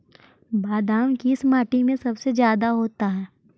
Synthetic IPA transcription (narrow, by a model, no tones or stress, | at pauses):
baːd̪aːmkiɪsmaːʈimẽsɐbsed͡ʒjaːd̪aɦoːt̪aɦɛː